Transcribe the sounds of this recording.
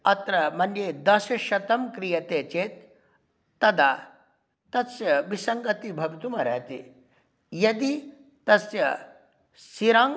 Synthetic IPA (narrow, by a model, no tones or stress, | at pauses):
ɐt̪ɾɐmɐnjed̪ɐsɐʃɐt̪ɐmkɾijɐt̪eːt͡ʃeːt̪̚ː | ɐd̪a | t̪ɐsjɐʋisɐŋɡɐt̪ibʱɐʋit̪umɐɾɐɦɐt̪ḭ | jɐd̪i | t̪ɐsjɐ | siɾaŋ